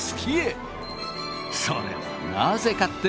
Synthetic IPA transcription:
sɨ̥kʲʰie | soɾḛ | nazekat̪ːe

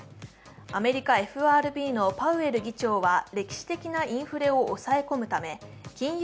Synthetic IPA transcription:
ame̞ɾʲikae̞ɸɯ̟aːɾɯ̟bʲiːno̞paɯ̟e̞ɾɯ̟ɡʲit͡ɕo̞ːβaɾe̞kʲi̥ɕi̥t̪e̞kʲinaĩɰ̃ɸɯ̟ɾe̞o̞ʔːsae̞ko̞mɯ̟t̪ame̞kʲĩɰ̃

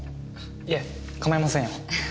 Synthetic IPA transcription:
ja | kamaɾimasẽjo

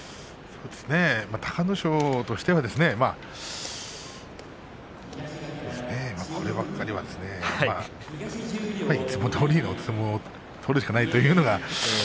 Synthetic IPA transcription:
so̞ːd̪e̞sɨne̞mat̪ʰḁkanoɕoːt̪o̞ɕi̥t̪e̞βad̪e̞sɨne̞ma | sooːd̪esɨne̞makʰo̞ɾeβakːaɾʲiβa̰d̪e̞sɨne̞a | aiːt͡sɨmo̞t̪ʰoːɾʲiːnoɨmo | t̪ʰo̞ːɾɯ̟ɕ̬kanait̪o̞jɯ̟ːno̞ɡa

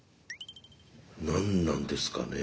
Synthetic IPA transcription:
nãnːãnd̪e̞sɨ̥ka̰ne

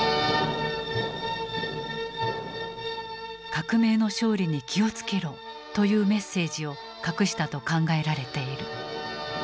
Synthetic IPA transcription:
kakɯ̟me̞ːno̞ɕo̞ːɾʲiɲ̟ikʲʰio̞t͡sɨ̥ke̞ɾo̞ː | t̪o̞jɯ̟ːme̞sːe̞ːʑio̞ | kakɯ̟ɕi̥t̪at̪o̞kãŋɡae̞ɾaɾe̞t̪e̞iɾɯ̟

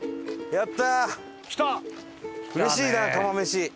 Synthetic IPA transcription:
jat̪ːa | kʲi̥t̪a | ɯɾeɕiːd̪akamameɕi

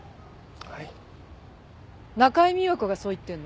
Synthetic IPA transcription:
nakaemʲiokɯ̟ɡaso̞ːit̪ːẽ̞nːo

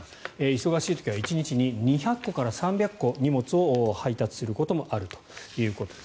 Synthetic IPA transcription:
eiso̞ɡaɕiːt̪o̥kʲiβait͡ɕiɲ̟it͡ɕiɲ̟iɲ̟içakːo̞kaɾasãmbʲjakːo̞ɲ̟imo̞t͡sɨo̞hait̪at͡sɨ̥sɨɾɯ̟ko̞t̪o̞mo̞ʔaɾɯ̟t̪o̥jɯ̟ːko̞t̪o̥e

